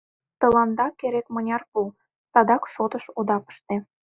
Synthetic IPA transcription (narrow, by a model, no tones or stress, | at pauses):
t̪ɤ̆lɑnd̪ɑkeɾek̪mɤ̆nʲɑrpul | sɑd̪ɑkʃot̪ə̆ʃod̪ɑpə̥ʃt̪e